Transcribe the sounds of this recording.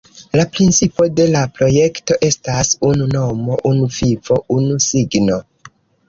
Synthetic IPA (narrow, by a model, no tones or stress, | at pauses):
lapɾint͡sipo̞de̞lapɾo̞je̞kto̞ʔe̞stasununo̞mo̞ʔunuvivo̞ʔunusiɡno̞